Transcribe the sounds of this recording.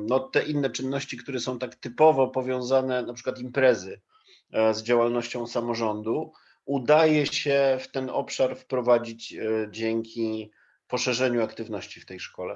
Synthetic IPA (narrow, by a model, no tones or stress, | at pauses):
nɔt̪ɛʔinːɛt͡ʂɘnːɔɕt͡ɕikt̪uɾɛsɔ̃w̃t̪akt̪ɘpɔvɔpɔvʲjɔ̃w̃zanɛnapʂɘkwat̪impɾɛzɘ | zd͡ʑawalnɔɕt͡ɕɔ̃w̃samɔʐɔnd̪u | ud̪ajɛɕɛft̪ɛnɔpʂaɾfpɾɔvad͡ʑid͡ʑd͡ʑɛŋkʲi | pɔʂɛʐɛɲuakt̪ɘvnɔɕt͡ɕift̪ɛjʂkɔlɛ̰